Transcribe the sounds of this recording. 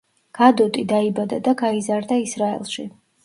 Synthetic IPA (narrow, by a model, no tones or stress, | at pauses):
ɡ̥ad̪ɔt̪ʼid̪aibad̪ad̪aɡaizaɾd̪aisɾaɛ̰lˠʃi